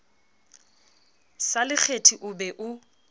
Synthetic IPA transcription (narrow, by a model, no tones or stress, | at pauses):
salɪk͡xʰetʰiʔʊbɛʔʊ